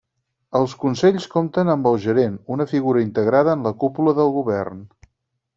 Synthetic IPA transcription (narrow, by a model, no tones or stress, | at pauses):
əlˠskunsɛʎskomt̪ənəmbəlˠʒəɾenunəfiɣuɾəint̪əɣɾaðəːnləkupuləðəlˠɣuβɛrn